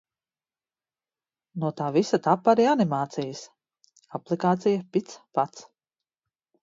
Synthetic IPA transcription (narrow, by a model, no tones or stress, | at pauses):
nuɔt̪aːvisat̪apːaɾianimaːt̪sijəs | aplˠikaːt̪sijapit̪spat̪s